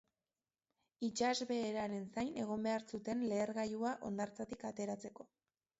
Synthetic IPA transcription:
it͡ʃazβe̞ːɾaɾe̞nsajne̞ɣ̞o̞mbe̞aɾsut̪e̞nle̞ːɾɣajuaʔo̞̰nd̪aɾt͡sat̪ikat̪e̞ɾat͡se̞ko̞

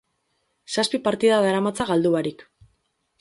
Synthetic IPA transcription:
saspipaɾt̪iðaðaɾamat͡saɣald̪uβaɾik

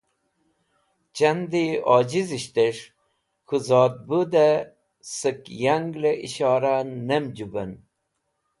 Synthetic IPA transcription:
t͡ɕɐnd̪iɑːd͡ʑiziɕt̪eʂ | kuzɑːd̪̚bud̪a | səkjaŋɡleʔḭɕɑːɾanɐmd͡ʑubɐn

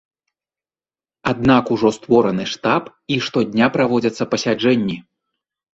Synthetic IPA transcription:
ad̪̚nakuʐɔst̪vɔɾɐnɨʂt̪ap | iʂt̪ɔd̪ʲnʲapɾavɔd͡zʲɐt̪sːɐpɐsʲad͡ʐɛnʲːi

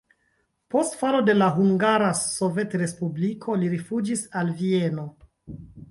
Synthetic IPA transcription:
po̞stfalo̞de̞laɦuŋɡaɾaso̞ve̞tɾe̞spublikʰo̞liɾifud͡ʒisalvie̞no̞

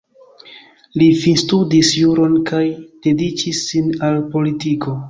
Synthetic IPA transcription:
lifinstudisjuɾo̞nkʰajd̥e̞dit͡ʃisːinalpo̞litiko̞

